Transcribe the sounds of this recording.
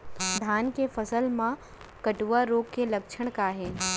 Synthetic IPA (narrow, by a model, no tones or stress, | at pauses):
d̪ʱaːnkefɐsəlmã | kɐʈuʋaɾoːkkːelɐkʃʰəɽ̃kaːɦeː